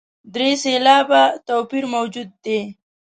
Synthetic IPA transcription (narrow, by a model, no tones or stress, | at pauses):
d̪ɾeselɑːbat̪oːpiɾmowd͡ʒud̪̚ːe